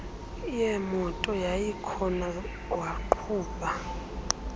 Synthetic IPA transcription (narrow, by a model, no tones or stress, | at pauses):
ijɛmɔtʼɔjajikʰɔna | waǃʰuːpʼa